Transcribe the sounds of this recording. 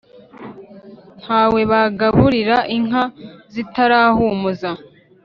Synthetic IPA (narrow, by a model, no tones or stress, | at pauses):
n̥haːwe̞βaɡaβuɾiɾaʔiŋ̥ɦazitaɾaːhumuza